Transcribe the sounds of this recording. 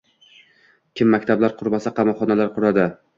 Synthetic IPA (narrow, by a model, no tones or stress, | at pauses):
kʲʰɪmːakʲt̪ʰablaɾqʰʊɾmasaqʰɑmɒχɒnalaɾqʰʊɾad̪ɪ